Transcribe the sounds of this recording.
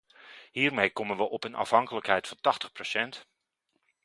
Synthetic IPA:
hiːrmejkɔmənʋəʔɔpənɑ̰fhɦɑŋkələkɦhɛjtfɑntɑxtəχprosɛnt

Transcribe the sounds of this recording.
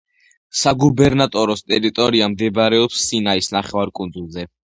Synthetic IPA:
saɡubɛɾnat̪ʼɔɾɔst̪ʼɛɾit̪ʼɔɾiamd̪ɛbɾɛɔpsːinaisnaχɛvaɾkʼund̪zulˠzɛ

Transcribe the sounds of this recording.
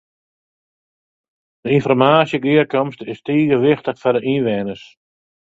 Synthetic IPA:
d̥əinfɔrmaːsjəɡɪərkɔmstɪstiːɣəʋɪxtəχfɔdəʔinʋɛnəs

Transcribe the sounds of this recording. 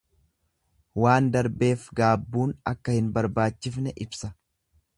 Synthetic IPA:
waːnd̪ɐɾbe̞ːfɡaːbːuːnɐkːɐhɪnbɐɾbaːt͡ʃːɪfnɛʔɪbsɐ

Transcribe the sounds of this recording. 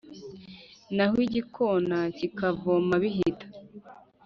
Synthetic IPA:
nahwiɟikʰonacikavomaβiɦitḁ

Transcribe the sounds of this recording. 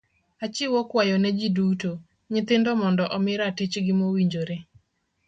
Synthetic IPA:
at͡ʃɪwokwajɔnɛd͡ʒiduto | ɲɪt̪ɪndɔmɔndɔʔɔmɪɾatɪt͡ʃɡɪmowiɲd͡ʒoɾe

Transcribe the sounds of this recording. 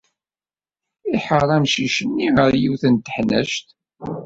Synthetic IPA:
iħəɾˤæmʃiʃənːiʁəɾjiwθənt̪əħnə̰ʃt̪

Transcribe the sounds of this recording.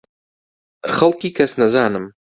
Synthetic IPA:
χɐlˠkʲikʰɐsnɐzaːnɨm

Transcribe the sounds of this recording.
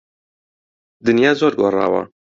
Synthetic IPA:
d̪ɨnjɑːzoːɾɡoːrˤɑ̰ːwɑ̰

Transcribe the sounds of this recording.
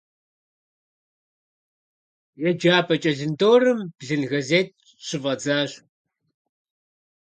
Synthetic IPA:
jɛd͡ʒaːpʰʼɐt͡ʃʼɐɮɨndoːrɨmb̥zɨnɣɐzeːt̚ | ɕɨvɐd͡zaːɕ

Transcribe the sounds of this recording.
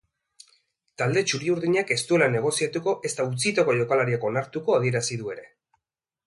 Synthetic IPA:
t̪ald̪e̞t͡ʃuɾiuɾðiɲake̞st̪ue̞lane̞ɣ̞o̞siat̪uko̞ʔe̞st̪aut͡sit̪o̞ko̞ʝo̞kalaɾiako̞naɾt̪uko̞aðie̞ɾasiðue̞ɾe̞

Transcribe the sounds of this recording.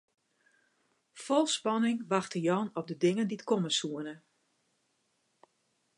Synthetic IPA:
fɔlˠspɑnɪŋʋaxtəjɔnɔpdədɪŋəndiətkɔməsuənə

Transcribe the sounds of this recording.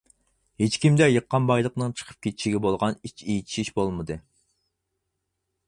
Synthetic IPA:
het͡ʃkʲimd̪ɛjəqːɑnbɑjlˠəqnɨŋt͡ʃʰə̥qʰə̥p̚kʲʰet̪ʰi̥ʃiɡʲɛbolˠʁɑnit͡ʃʰejit̪ʰi̥ʃiʃbolˠmɨd̪ɨ

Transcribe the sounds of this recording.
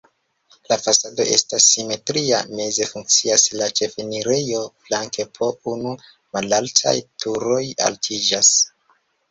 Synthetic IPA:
lafasado̞̰ʔe̞̰stasːime̞tɾia̰me̞ze̞fuŋk̚t͡siaslat͡ʃe̞feniɾe̞jo̞flaŋkepʰo̞unu | malaltʰa̰jtʰuɾo̞ja̰ltʰid͡ʒas

